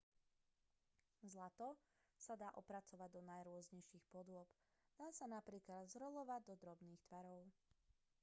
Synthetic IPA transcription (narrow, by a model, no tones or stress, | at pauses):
zlat̪ɔ | sad̪aːʔɔpɾat͡sɔʋaɟd̪ɔnajɾʊɔzɲɛjʃiːxpɔd̪ʊɔp | d̪̥aːsanapɾiːklad̪zɾɔlɔʋaɟ̚d̪ɔd̪ɾɔbniːxt̪ʋaɾɔʊ